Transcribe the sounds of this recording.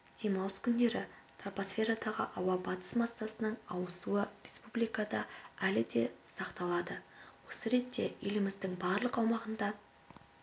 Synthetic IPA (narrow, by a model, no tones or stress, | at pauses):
d̪̥e̞mɑlˠəskʲʰʏnd̪e̞ɾɪt̪roposfʲe̞ɾad̪ɑʁə̰ʔɑwɑbɑt̪ə̥smɑsːɑsənəɴɑwəsuərʲe̞spublijkɑd̪ɑælɪd̪e̞sɑqt̪ɑlˠɑd̪əwo̞səɾe̞t̪ːe̞̰jelɪmɪzd̪ɪŋbɑɾlˠəqɑwmɑʁənd̪ɑ